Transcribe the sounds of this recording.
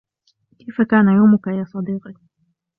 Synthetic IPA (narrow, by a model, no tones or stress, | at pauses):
kajfakaːnajamʊkaʔɪlaːsˤɑd̪iːqɪ